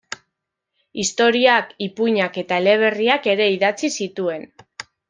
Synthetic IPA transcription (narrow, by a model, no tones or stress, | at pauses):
ist̪o̞ɾiakipuɲake̞t̪aele̞β̞e̞riake̞ɾe̞iðat͡sisit̪ue̞n